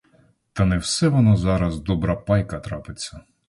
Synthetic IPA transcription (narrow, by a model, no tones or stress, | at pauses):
t̪ɐnɛwsɛʋɔnɔzɑɾɐzd̪ɔbɾɐpɑjkɐt̪ɾɑpɪt͡sʲːɐ